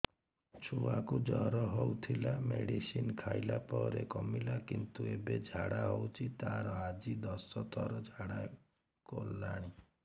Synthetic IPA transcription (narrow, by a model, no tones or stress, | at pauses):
t͡ʃʰuakud͡ʒɔɦɾɔɦowt̪ʰilameɽisinkʰajlapɔɾekɔmilakint̪uebed͡ʒʱaɽaɦowt͡ʃʰit̪aɾɔad͡ʒid̪ɔsɔt̪ʰɔɾɔd͡ʒʱaɽa | kolːaɽ̃i